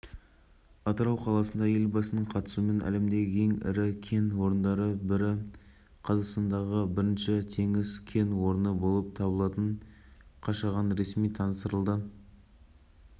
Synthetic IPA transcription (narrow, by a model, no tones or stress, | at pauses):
ɑt̪əɾɑwqʰɑlˠɑsənd̪ɑje̞lbɑsənəɴqʰɑt̪ə̥sume̞nʔæ̰le̞md̪e̞ɡʲɪkʲʰe̞ŋɪ̰ɾɪkʲʰe̞nwo̞ɾənd̪ɑɾəbɪɾɪ | qʰɑzɑqst̪ɑnd̪ɑʁəbɪɾɪnʃɪt̪ʰe̞ŋɪzkʲʰe̞nwo̞ɾənəbo̞lˠəp̚t̪ʰɑbəlˠɑt̪əɴ | qʰɑʃɑʁɑnɾe̞smijt̪ʰɑnəst̪əɾəlˠd̪ə